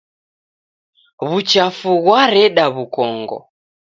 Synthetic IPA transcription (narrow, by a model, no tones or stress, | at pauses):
βut͡ʃafuɣwaɾɛɗaβukɔŋɡɔ̰